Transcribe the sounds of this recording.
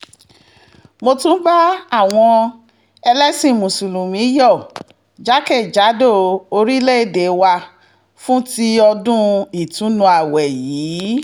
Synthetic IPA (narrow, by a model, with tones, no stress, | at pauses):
mo˧tũ˦ba˦a˦˨w̃ɔ̃˧ | ɛ˧lɛ˦sĩ˦˨mũ˨su˨lũ˨mĩ˨˦jɔ˦˨ | d͡ʒa˦kɛ˦˨d͡ʒa˨˦do˦˨o˧ɾi˦le˦e˦˨de˨wa˧ | fũ˦ti˦ɔ˧dũ˦i˦˨tũ˨˦nũ˧a˨wɛ˨jiː˨˦